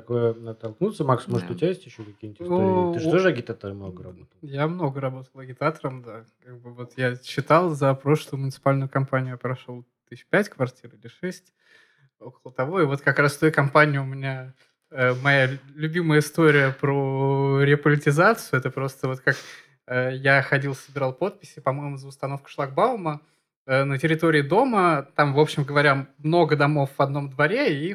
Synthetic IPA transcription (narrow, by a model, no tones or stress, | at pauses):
t̪ɐkojəət̪ːɐlˠknut̪səmaksmoʐət̪ʊt̪ʲɪajesʲtʲjɪɕːokɐkʲijnʲət̪ʲnuɨt̪oʐəɐɡʲɪt̪at̪əɾəmnoɡəɾɐ̰bot̪ˠəlˠjamno̞ɡəɾɐbo̞t̪əlˠɐɡʲɪt̪at̪əɾəmd̪akaɡ̚bɨvo̞t̪jaɕːɪt̪alˠzɐpɾo̞ʂlˠʊjʊmʊnʲɪt̪sɨ̥palʲnʊjʊkɐmpanʲɪjʊjapɾɐʂolˠ | t̪ɨpʲætʲkvɐrtʲirɪlʲɪʂɛsʲtʲ | o̞kəlˠət̪ɐvo̞ɪvo̞t̪kɐkɾasft̪ojkɐmpanʲɪʊʊmʲɪnʲa | əmɐjalʲʉbʲiməjəɪst̪o̞ɾʲɪjəpɾoɾʲɪəpəlʲɪtʲɪzat̪sɨjʊɛt̪əpɾo̞st̪əvo̞t̪kak | əjaxɐdʲilˠsəbʲɪɾalˠpo̞t̪̚pʲɪsʲɪpɐmo̞jmʊzəʊst̪ɐno̞fkə̥ʂlˠaɡ̚baʊmə | nətʲɪɾʲɪt̪o̞ɾʲɪːɪd̪o̞mət̪amvo̞pɕːɪmɡəvɐɾʲamno̞ɡəd̪ɐmo̞fvɐd̪no̞md̪vɐɾʲei